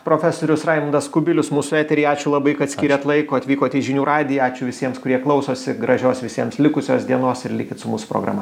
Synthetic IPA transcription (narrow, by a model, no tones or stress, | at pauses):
pɾoːfʲæsoːɾʲʊsrɑɪmɐnd̪ɐskʊbʲɪlʲʊsmuːsʊæːt̪ʲɛɾʲiɪɑːt͡ʃʲʊlˠɐbɐɪkɐt̪sʲkʲiːɾʲɛt̪lˠɐɪkoːɐt̪ʲʋʲiːkoːt̪ʲiːʒʲɪnʲuːɾɑːd̪ʲɪjɑːt͡ʃʲʊʋʲɪsʲiɛmskʊɾʲiɛklˠɐʊsoːsʲɪɡɾɐʒʲoːsʋʲɪsʲiɛmslʲɪkʊsʲoːsd̪ʲiɛnoːsɪɾlʲiːkʲɪt̪sʊmuːsʊ̥pɾo̰ːɡɾɐ̰ːmɐ